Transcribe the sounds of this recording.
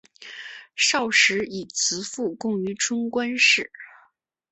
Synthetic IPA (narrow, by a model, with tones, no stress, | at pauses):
ʂɑ˥˩ʊʂɻ̩˧˥i˨˩t͡sʰɹ̩˧˥fu˥˧kʊ˥˩ŋy˧˥ʈ͡ʂʊ˥ŋkwa˥nʂɻ̩˥˩